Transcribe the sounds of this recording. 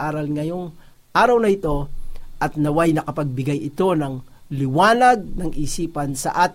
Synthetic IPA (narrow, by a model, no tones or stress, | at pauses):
aːɾɐlŋɐjo̞ŋ | ʔaːɾɐwnɐɪt̪o̞ʔɐt̪nɐwajnɐkɐpɐɡ̚bɪɡajɪt̪o̞nɐŋlɪwaːnɐɡ̚nɐŋʔisiːpɐnsɐ̰ʔaːt̪